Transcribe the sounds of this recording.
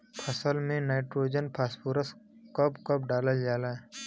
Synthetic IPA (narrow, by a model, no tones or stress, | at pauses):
pʰɐsəlmẽnaːɪʈɾoːd͡ʒənpʰaːspuːɾəs | kəbkəpɖaːləld͡ʒaːlaː